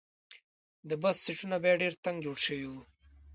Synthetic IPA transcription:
d̪əbassiʈunabjaɖeɾt̪aŋɡd͡ʒoɽʃəwiwu

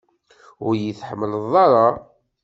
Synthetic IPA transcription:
ʊɾjiθħəmːələðˤɑɾˤɑ

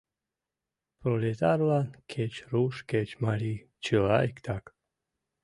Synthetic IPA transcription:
pɾolʲet̪aɾlankʰet͡ʃɾuʃket͡ʃmalʲi | t͡ʃila̰jkt̪ʰak

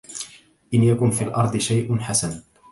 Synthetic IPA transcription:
ʔɪnjakʊnfiːlʔɑɾˤd̪ˤɨʃajʔʊnħasan

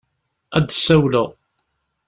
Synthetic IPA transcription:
æd̪sæwləʁ

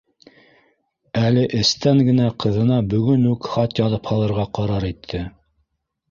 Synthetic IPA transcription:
ælɘʔɘ̆st̪æŋɡɘ̆næqʰɤ̆ðɤ̆nɑbɵ̆ɡɵnʉkχɑt̪jɑðɤphɑlˠɤ̆ɾʁɑqɑɾɑɾit̪ʰːɘ

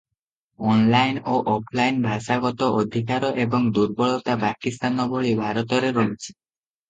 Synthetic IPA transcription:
ɔnlajnoʔɔpʰlajnbʱaʃaɡɔt̪ɔʔod̪ʱikaɾɔʔebɔŋd̪uɾbɔɭɔt̪apakist̪anɔbʱoɭibʱaɾɔt̪ɔɾeɾɔɦet͡ʃʰi̥

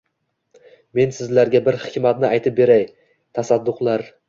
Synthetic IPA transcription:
me̞nsɪzlaɾɡʲabɪɾhɪkʲmat̪nɪajt̪ʰɪp̚be̞ɾaj | t̪ʰasad̪ːʊqlˠaɾ

